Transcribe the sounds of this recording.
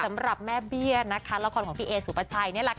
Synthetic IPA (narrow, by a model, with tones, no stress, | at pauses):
a˩˦mɾa˨˩p̚mɛː˥˩bi˥˩ɐna˦˥kʰa˦˥laː˦˥kʰɔː˧nkʰɔ˨˦pʰiː˦˥ʔeː˧suː˩˦pa˧t͡ɕʰa˧jni˥˩˨la˧˩